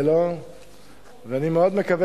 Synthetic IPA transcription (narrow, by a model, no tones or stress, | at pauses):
lo | veanimeod̪mekave